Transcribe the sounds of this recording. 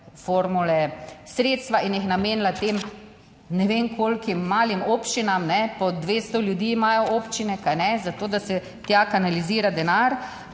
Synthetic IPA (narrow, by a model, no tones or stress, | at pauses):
foːɾmulɛsɾeːt̪st̪ʋaʔinjixnameːnlat̪eːm | nɛʋeːŋkʰoːlkimːaːlimoːpt͡ʃinamnɛpɔd̪ʋeːst̪ɔljud̪iːmaːjɔoːpt͡ʃinɛkajnɛzat̪oːd̪asɛ | t̪jakanaliziːɾad̪ɛnaːɾ